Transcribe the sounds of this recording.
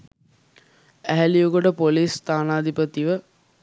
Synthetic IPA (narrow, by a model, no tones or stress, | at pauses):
æɦælijokoʈəpolist̪aːnaːd̪ipət̪iʋə